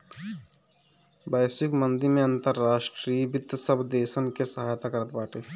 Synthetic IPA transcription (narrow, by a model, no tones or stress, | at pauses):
bɛːsɪkmə̃nd̪iɾmẽɐ̃nt̪əɾːaːʃʈɾiːbɪd̪səbʱd̪eːʃənkesɐɦaːjt̪akɐɾət̪̚baːʈe